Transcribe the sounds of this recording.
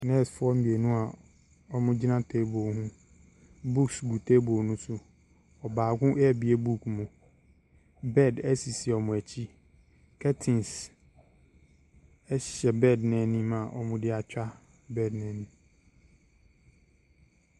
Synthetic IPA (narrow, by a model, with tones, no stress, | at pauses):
nɛ̃˦˨sfʊ˦ɔ˦m̩˦bi˨e˨nũ˦a˨ | ɔ˦mʊ̃˦d͡ʑi˦nã˦tʰe˦bo˨hũ˦ | bu˦ksɡu˨tʰe˦bo˨nũ˦sʊ˨ | ɔ˨baː˨ɡʊ̃˦ʔɛ˦˨bi˨e˦bu˦kʰmʊ̃˨ | bɛ˦˨dæ˦si˨si˨ɔ˨mʊ̃˨æ˨t͡ɕʰi˦ | kʰɛ˦tʰĩ˨ns | ɛ˦ɕɕɛ˨bɛ˦˨dnɛ̃˨nĩ˦mã˨ʔɔ̰˦mʊ̃˦dɪ˦a˨t͡ɕᶣa˦ | bɛ˦˨dnɛ̃˨nĩ˨